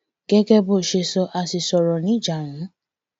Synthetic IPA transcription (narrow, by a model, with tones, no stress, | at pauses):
ɡ̥ɛ˦ɡɛ˦bo˦˨ʃe˧sɔ˧ʔa˧si˧sɔ˧ɾɔ˨nĩ˨˦˨d͡ʒa˨ŋũ˨˦